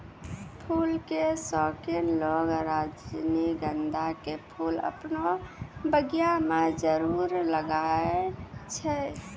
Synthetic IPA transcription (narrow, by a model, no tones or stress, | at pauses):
pʰulkesɔkinlɔɡɾad͡ʒniɡənd̪ʱakepʰulə̰pnobəɡijamed͡ʒəɾuɾləɡaet͡ʃʰɛ